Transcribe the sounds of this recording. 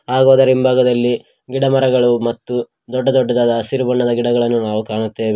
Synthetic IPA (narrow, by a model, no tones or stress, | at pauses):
aːɡoːd̪ɐɾimbʱaːɡɐd̪ɐlːi | ɡiɽɐmɐɾɐɡɐɭumɐt̪ːu | d̪ɔɖːɐd̪ɔɖːɐd̪aːd̪ɐsiɾubɐɳːɐd̪ɐɡiɽɐɡɐɭɐnːunaːʋukaːɳut̪ːeːʋi